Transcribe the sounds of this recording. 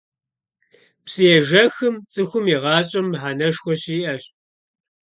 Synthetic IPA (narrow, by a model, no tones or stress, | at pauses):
psɨjɛʒɐxɨmt͡sʼɨxʷʊmiʁɑːɕʼɐmħanɐʂxʷɔɕiːʔɐɕ